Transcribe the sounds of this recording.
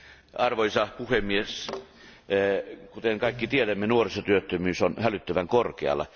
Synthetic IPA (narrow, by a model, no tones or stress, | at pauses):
ɑrʋoisɑpuhemies | kut̪eŋkɑikːit̪ieðæmːenuorisɑt̪yøt̪ːømyːsonhælyt̪ːæʋæŋkorkeɑ̰lːˑɑ̰